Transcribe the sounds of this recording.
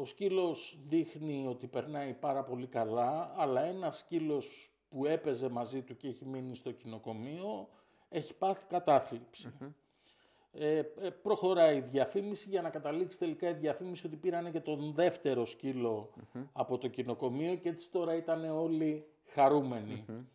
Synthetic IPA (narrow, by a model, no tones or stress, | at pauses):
o̞scilo̞sðixnio̞t̪ipe̞ɾnɐipɐɾɐpo̞likɐlɐːlɐe̞nɐscilo̞s | pue̞pe̞ze̞mɐzit̪uceeçiminist̪o̞cino̞ko̞mio̞ | e̞çi̥pɐθi̥kɐt̪ɐθlipsi | epɾo̞xo̞ɾɐiðʝɐfimisiʝɐnɐkɐt̪ɐliksi̥t̪e̞likɐiðʝɐfimisio̞t̪ipiɾɐnece̞t̪o̞nðe̞ft̪e̞ɾo̞scilo̞ɐpo̞t̪o̞cino̞ko̞mio̞ce̞t͡si̥t̪o̞ɾɐit̪ɐne̞o̞li | xɐɾume̞ni